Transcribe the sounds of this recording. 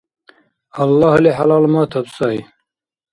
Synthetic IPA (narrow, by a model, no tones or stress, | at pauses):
ɐlːɑːhleːħalɑːlmɑːt̪ʰɐbsɑːi